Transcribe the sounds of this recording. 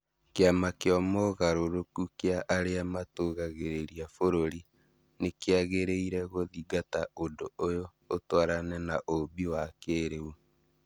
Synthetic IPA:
keamakeɔmoɣaɾoɾokukeaʔaɾeamatoɣaɣeɾeɾiafoɾoɾi | nekeaɣeɾeiɾɛɣoðiɡataondoojoː | twaɾanɛnaʔoβiwakeːɾeu

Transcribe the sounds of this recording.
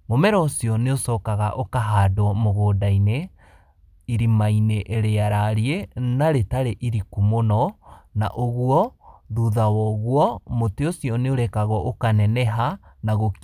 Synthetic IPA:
momɛɾɔsjɔneosɔːkaɣa̰ʔokaɦadɔmoɣoːdaine | iɾimaineʔeɾeaɾaɾienaɾetaɾeʔiɾikumonɔna̰ʔoɣwɔðuðawɔɣwɔmoteosjɔneoɾɛkaɣɔʔokanɛnɛɦanaɣok

